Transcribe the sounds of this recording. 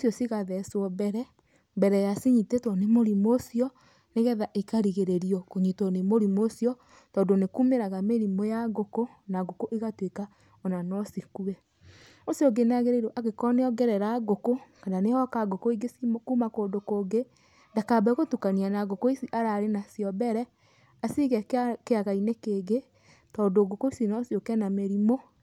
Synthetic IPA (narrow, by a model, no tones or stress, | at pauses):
osjɔsiɣaðɛswɔbɛɾɛ | mbɛɾɛjasiɲitetwɔnemoɾimosiɔ | neɣɛðaʔikaɾiɣeɾeɾiɔkoɲitɔnemoɾimosiɔ | tɔːndonekumeɾaɣameɾimojaɡoko | naɡokoʔeɣatweka | ɔnanɔsikuɛ | osjɔɡenaɣeɾeɾoʔaɣekɔneɔɡɛɾɛɾaɡokokananehɔkaɡokoiɡesimkuːmakoːdokoːɡe | ndakabɛɣotukanianaɣokoisiʔaɾaɾenasiɔbɛɾɛ | asiɣɛkeaɣainekeɡe | tɔːndoɡokoisinɔsjokɛnameɾimo